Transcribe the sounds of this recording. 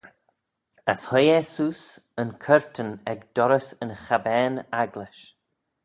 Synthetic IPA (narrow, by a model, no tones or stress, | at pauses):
a̰shɔjɛsuːs | ənkʰəɹtʰənɛɡd̪̥ɔɾəsənxabɛːnaɡlɪʃ